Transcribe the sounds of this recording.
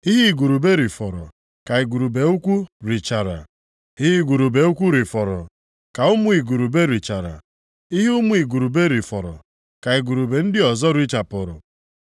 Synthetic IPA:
i˦ɦi˦˨ɡu˨ɾu˨be˦ɾi˨fɔ˨ɾɔ̰˨ | ka˨i˨ɡu˨ɾu˨be˨˦u˦kʷu˦ɾi˨t͡ʃa˨ɾa̰˨ | i˦ɦi˦ɡu˨ɾu˨be˨u˦kʷu˦ɾi˨fɔ˨ɾɔ˨ | ka˨ʊ˦mʊ˦i˨ɡu˨ɾu˨be˦ɾi˨t͡ʃa˨ɾa̰˨ | i˦ɦʊ˦mʊ˦i˨ɡu˨ɾu˨be˦ɾi˨fɔ˨ɾɔ̰˨ | ka˨i˨ɡu˨ɾu˨be˨n̩˦dɪ˦ɔ˨zɔ˦ɾi˦t͡ʃa˨pʊ˨ɾʊ̰˨

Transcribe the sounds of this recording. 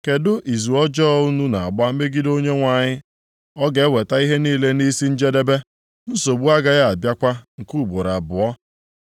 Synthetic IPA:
ke˨dʊ˦ʔi˨zu˨ɔ˦d͡ʒɔː˦u˦nu˦na˨a˨ɡ͡ba˦m̩˦me˦ɡɪ˦do˦ɲe˦ŋʷa˨ɲɪ˦ | ɔ˦ɡe˨e˦we˨ta˦i˦ɦe˦niː˦le˦ni˦si˦n̩˦d͡ʒe˦de˦be˦ | n̩˦so˨bu˦a˦ɡa˦ɣa˦a˨bja˦kʷa˦ŋ̩˨ku˦˨bo˨ɾa˨bʊ˨ɔ˦

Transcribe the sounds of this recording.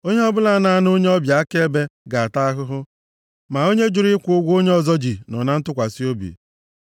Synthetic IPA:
o˦ɲe˦ɔ˦bʊ˦la˨˦na˨a˨˦no˦ɲe˦ɔ˦bja˨a˦ke˦e˦be˦ɡa˨a˨ta˦a˦ɦʊ˦ɦʊ˦ | ma˨o˦ɲe˦d͡ʒʊ˨ɾi˦kʷu˨˦ʊ˦ɡʷo˦ɲe˦ɔ˨zɔ˦d͡ʒi˨nɔ˨na˦n̩˦tʊ˦kʷa˨si˦o˦bḭ˨

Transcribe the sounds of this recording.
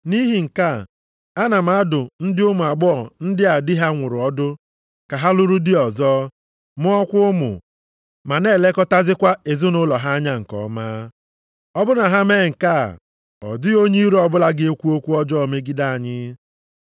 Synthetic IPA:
ni˦ɦi˨ŋ̩˨ka˦˨ | a˦na˨ma˨˦dʊ˨n̩˦dɪ˦ʊ˦mʊ˨a˨ɡ͡bɔ˦ɔ˨n̩˦dɪ˦a˨dɪ˦ɦa˦ŋʷʊ˨ɾʊ˨ɔ˦dʊ˦ | ka˨ɦa˦lʊ˦ɾu˦dɪ˦ɔ˨zɔː˦ | mʊ˦ɔ˦kʷʊ˦ʊ˦mʊ̰˨ | ma˨ne˦˨le˦kɔ˦ta˦zɪ˦kʷa˦e˨zʊ˦nʊ˦lɔ˨ɦa˦a˦ɲa˦ŋ̩˨kɔ̰˨ma˦ | ɔ˦bʊ˦na˨ɦa˦me˦˨ŋ̩˨ka̰˦˨ | ɔ̰˨dɪ˦o˦ɲi˦ɾu˦ɔ˨bʊ˦la˦ɡɪ˦e˦kʷu˦o˦kʷu˦ɔ˦d͡ʒɔ˦˨me˦ɡi˦da˦a˨ɲɪ˦

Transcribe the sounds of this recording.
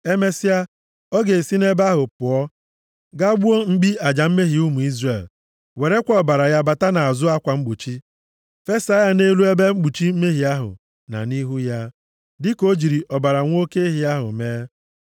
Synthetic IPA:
e˦me˦si˦a˦ | ɔ˦ɡe˨si˦ne˦ba˦ɦʊ˨pʊ˨ɔ˦ | ɡa˦ɡ͡bu˦o˦ŋ͡m̩˦ɡ͡bi˦a˨d͡ʒa˨m̩˦me˦ɦi˨u˦mu˨i˦zre˨l | we˨ɾe˦kʷɔ˦ɔ˨ba˨ɾa˨ja˦ba˨ta˦na˨a˨zʊ˦a˦kʷa˨ŋ͡m̩˦ɡ͡bu˨t͡ʃi˦ | fe˦sa˦ja˨ne˦lu˦e˦be˦ŋ͡m̩˦ɡ͡bu˨t͡ʃi˦m̩˦me˦ɦi˨a˦ɦʊ̰˨ | na̰˨ni˦ɦu˦ja˦ | dɪ˦ko˦d͡ʒi˨ɾi˨ʔɔ˨ba˨ɾa˨ŋʷ˦o˦ke˦ɦi˦a˦ɦʊ̰˨meː˦

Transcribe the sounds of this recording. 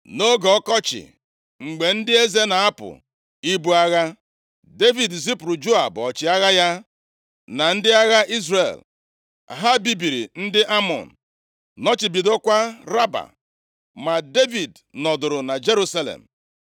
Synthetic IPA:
no˦ɡɔ˨ɔ˦kɔ˦t͡ʃɪ̰˨ | ŋ͡m̩˨ɡ͡be˨n̩˦dɪ˦e˦ze˦na˨a˦pʊ̰˨ | i˦bu˦a˦ɣa˦ | de˦vi˨dzi˦pɾʊ˨d͡ʒo˦a˨bɔ˨t͡ʃɪ˨a˦ɣa˦ja˦ | na˨n̩˦dɪ˦a˦ɣa˦ʔi˦zrḛ˨l | a̰˨ɦa˦bi˦bi˨ɾi˨n̩˦dɪ˦ʔa˦mɔ̰˨n̩˨ | nɔ˦t͡ʃi˨bi˨do˦kʷa˦ɾa˦ba̰˨ | ma˨de˦vi˨d | nɔ˨dʊ˨ɾʊ˨na˨d͡ʒe˦ɾu˦sa˦lḛ˨m̩˨

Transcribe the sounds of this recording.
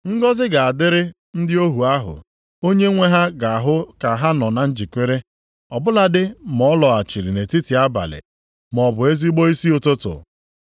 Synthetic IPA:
ŋ̩˦ɡɔ˦zɪ˦ɡa˨a˨dɪ˦ɾɪ˦ | n̩˦dɪ˦o˦ɦu˨a˦ɦʊ̰˨ | o˦ɲe˦ŋʷe˦ɦa˦ɡa˨a˨ɦʊ˦ka˨ɦa˦nɔ˨na˨n̩˦d͡ʒi˨kʷe˦ɾe˦ | ɔ˨bʊ˦la˨dɪ˦mɔ˦lɔ˨a˨t͡ʃi˨ɾḭ˨ne˨ti˦ti˨a˦ba̰˨lɪ̰˨ | mɔ˨bʊ˨e˦zi˦ɡ͡bɔ˦i˦si˦ʊ˨tʊ˦tʊ̰˨

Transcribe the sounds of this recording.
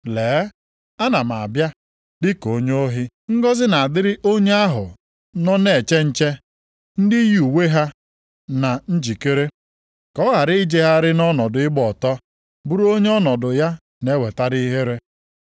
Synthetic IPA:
leː˨˦ | a˦na˨m˨a̰˨bja˦ | dɪ˦ko˨ɲo˦ɦɪ˦ | ŋ̩˦ɡɔ˦zɪ˦na˨a˨dɪ˦ɾɪ˦ʔo˦ɲe˦a˦ɦʊ˨ | nɔ˦ne˨t͡ʃe˦n̩˦t͡ʃe˦ | n̩˦dɪ˦ju˨we˦ɦa˦ | na˨n̩˦d͡ʒi˨ke˦ɾe˦ | kɔ˦ɣa˨ɾɪ˦ɪ˦d͡ʒe˦ɦa˦ɾɪ˦nɔ˦nɔ˨dʊ˨˦ɪ˦ɡ͡bɔ˨tɔ˦ | bu˦ɾo˦ɲe˦ɔ˦nɔ˨dʊ˨ja˦ | ne˦we˨ta˦ɾi˦ɦe˦ɾe˦

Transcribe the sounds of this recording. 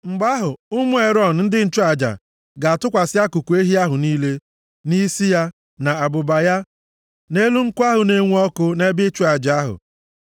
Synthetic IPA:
ŋ͡m̩˨ɡ͡ba˦ɦʊ˨ʊ˦mʊ˦e˨ɾɔ˦˨n̩˨n̩˦dɪ˦n̩˦t͡ʃʊ˦a˨d͡ʒa̰˨ | ɡa˨a˨tʊ˦kʷa˨sɪ˦a˦ku˨ku˨e˦ɦi˦a˦ɦʊ˨niː˦le˦ | ni˦si˦ja˦ | na˨a˨bʊ˨ba˨ja˦ | ne˦lu˦ŋ̩˦kʷa˦ɦʊ˨ne˦ŋʷ˦ɔ˦kʊ˦ne˦bɪ˦t͡ʃʊ˦a˨d͡ʒa˨a˦ɦʊ̰˨

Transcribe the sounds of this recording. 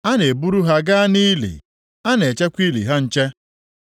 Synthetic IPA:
a˦ne˨bu˦ɾu˦ɦa˦ɡa˦a˦ni˦lḭ˨ | a˦ne˨t͡ʃe˦kʷi˦lḭ˨ɦa˦n̩˦t͡ʃe˦

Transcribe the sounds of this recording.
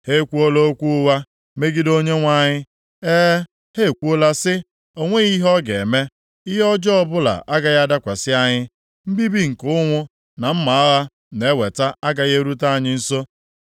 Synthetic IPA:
he˦kʷu˦o˦lo˦o˦kʷu˦wa˦ | me˦ɡɪ˦do˦ɲe˦ŋʷa˦˨ɲɪ˦ | eː˦ | he˦˨kʷu˦o˦la˦sɪ˦ | o˦ŋʷe˦ɣi˦ɦɔ˦ɡḛ˨me˦ | ɪ˦ɦɔ˦d͡ʒɔ˦ɔ˦bʊ˦la̰˨ʔa˦ɡa˨ɣa˦da˦kʷa˨sɪ˦a˦ɲɪ˦ | m̩˦bi˦bi˦ŋ̩˨kʊ˦ŋʷʊ˦ | na˨m̩˦ma˨a˦ɣa˦ | ne˨˦we˨ta˦a˦ɡa˨ɣe˦ɾu˦ta˦a˨ɲɪ˦n̩˦so˦

